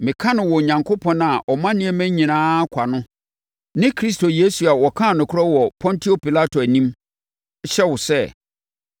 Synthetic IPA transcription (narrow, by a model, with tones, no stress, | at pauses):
mɪ̃˨kʰã˦nɪ̃˨wɔ˨ɲã˨ŋkʰo˦pʰɔ̃˨na˨ʔɔ˨mã˦nɪ̃˦ɛ˦mæ̃˦ɲĩ˨nãː˦kʷʰa˨nʊ̃˦ | nɪ̃˦kʰɾi˦s̬to˨je˦su˨a˨wɔ˨kʰã˦˨nʊ̃˨kʰʊ˦ɾɔ˦wɔ˨pʰɔ̃˦ntʰi˦o˦pi˨la˦tʰo˨æ˨nĩ˦m˦ | ɕɛ˦wʊ˨sɛ˦